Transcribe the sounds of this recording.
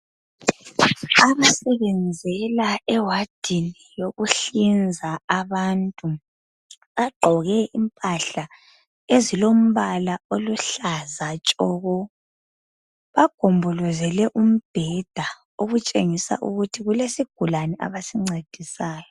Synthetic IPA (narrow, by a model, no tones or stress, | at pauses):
aβasɛβɛnd͡zʱɛlaɛwad̥ʱinijoɣuɬind͡zʱaaβantʼu | βaɡ͡ǃʱɔɣɛʔimpʼaɬa | ezilom̩βalaoluɬazat͡ʃʼɔɣɔ | βaɡ̥ʱombʱɔlɔzɛlɛʔum̩b̥ʱɛd̥ʱa | oɣut͡ʃʼeŋisa̰ʔṵɣutʰiɣulesiɡ̥ʱulanɛʔa̰βasiŋ͡ǀed̥ʱisaːjɔ